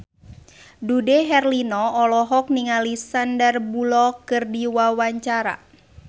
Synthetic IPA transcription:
dudɛɦɛrlinɔɔlɔɦɔk̚niŋalisandərbulɔkɨrdiwawaɲt͡ʃaɾa̰

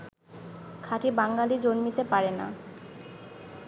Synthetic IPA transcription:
kʰaʈibaŋɡalid͡ʑonmit̪epaɾena̰

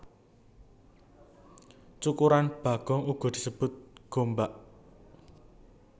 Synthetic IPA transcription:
t͡ʃukuɾanb̥a̤ɡ̥ɔ̤ŋuɡ̥ɔ̤d̪̥isəb̥ʊt̪̚ɡ̥ombaʔ

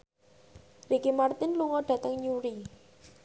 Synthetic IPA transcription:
rikimart̪ɪnluŋɔɖ̥ä̤t̪əŋɲuɾi

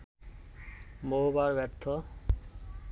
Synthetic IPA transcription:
moɦbaɾbɛɾt̪ʰɔ

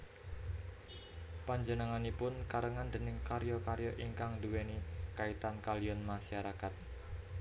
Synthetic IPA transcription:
paɲd͡ʒənəŋanipʊnkaɾəŋand̪ənɪŋkaɾjɔkaɾjɔʔiŋkaŋd̪uwenikait̪ankalijɔnmaʃaɾakat̪̚

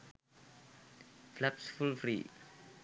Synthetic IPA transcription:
flɛpsfulfɾḭ

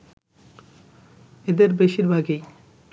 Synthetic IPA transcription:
ed̪eɾbeʃiɾbʱaɡej

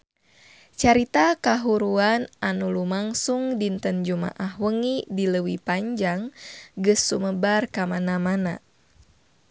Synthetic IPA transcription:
t͡ʃaɾit̪akaɦuɾuananulumaŋsuŋdint̪ənd͡ʒuma̰ʔahwəŋidiləwipaɲd͡ʒaŋɡɨsːuməbarkamanamana̰

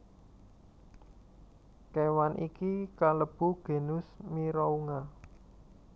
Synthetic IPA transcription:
kewanʔikikaləb̥ṳɡ̥e̤nʊsmiɾɔuŋa

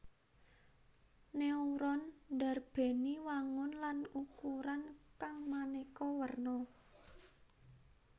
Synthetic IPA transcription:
neuɾɔnda̤rb̥e̤niwaŋʊnlanukuɾankaŋmanekɔwərnɔ

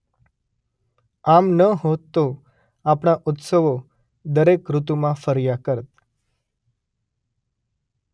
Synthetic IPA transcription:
amnəɦot̪ːo | apɳ̃aʔʊt̪səʋo | d̪əɾekɾut̪umãfəɾjakəɾt̪̚

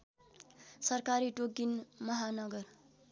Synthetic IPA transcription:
sʌrkaɾiʈoɡinmʌɦanʌɡʌr

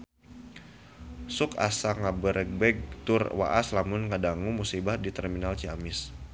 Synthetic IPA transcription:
sʊka̰saŋabəɾɛk̚bɛɡ̚t̪ʊrwa̰ʔa̰slamʊnŋadaŋumusibahdit̪ɛrminalt͡ʃiamɪs

